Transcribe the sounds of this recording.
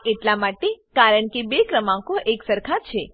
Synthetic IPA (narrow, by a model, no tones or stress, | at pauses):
eʈlamaʈekaɾəɳkebekɾəmãkoʔeksəɾkʰat͡ʃʰe